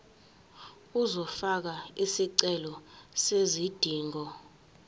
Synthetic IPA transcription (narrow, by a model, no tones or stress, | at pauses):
uzɔfak̬aisiǀɛlɔsezid̥ʱiːŋɔ